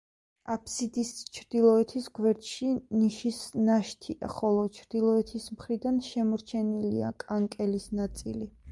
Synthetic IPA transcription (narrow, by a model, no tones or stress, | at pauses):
apʰsid̪ist͡ʃʰɾd̪̥ilˠɔɛt̪ʰisɡwɛɾt̪ʰʃiniʃisnaʃt̪ʰia̰χɔlˠɔt͡ʃʰɾd̪̥ilˠɔɛt̪ʰismχɾid̪anʃɛmɔɾt͡ʃʰɛnilḭa̰kʼaŋkʼɛlisnat̪sʼḭli